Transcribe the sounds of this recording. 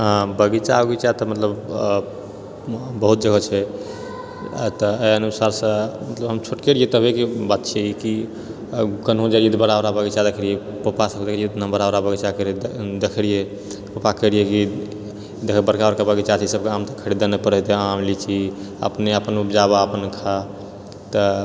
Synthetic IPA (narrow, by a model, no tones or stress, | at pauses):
ɦãbəɡit͡ʃaoɡit͡ʃat̪ɔmət̪ləb | bəɦut̪̚d͡ʒəɡət͡ʃʰɛ | t̪ɔeənusaɾsə̃mət̪ləbɦəmt͡ʃʰoʈkeɾiet̪ɔɦoekebat̪̚t͡ʃʰɛki | kənɦõd͡ʒaiid̪bəɾaoɾabəɡit͡ʃad̪ekʰɾije | pəpasəkd̪ekʰɾiet̪nabəɾaɾabəɡɛt͡ʃakəɾid̪ekʰɽije | pəpakəɾijeki | d̪ekʰəbəɾkabəɾkabaɡɛt͡ʃat͡ʃʰɛsəb̚keamt̪əkʰəɾid̪anɛpəɾət̪eamlit͡ʃʰi | ə̰pneəpənupd͡ʒabaəpənkʰa | t̪ɔ